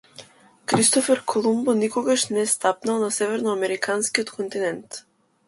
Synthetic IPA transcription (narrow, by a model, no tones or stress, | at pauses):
kɾist̪ɔfɛɾkʰɔlˠumbɔnikɔɡaʃnɛst̪apnalˠnasɛvɛɾnɔamɛɾikʰanskiɔt̪kʰɔnt̪inɛnt̪